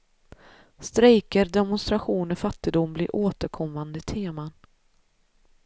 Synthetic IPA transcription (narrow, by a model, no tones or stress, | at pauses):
st̪ɾɛjkəɾd̪ɛmʊnst̪ɾaɧuːnɔfat̪ːɪd̪ʊmblɪɾʔoːt̪əɾkʰɔmːand̪ət̪ʰeːman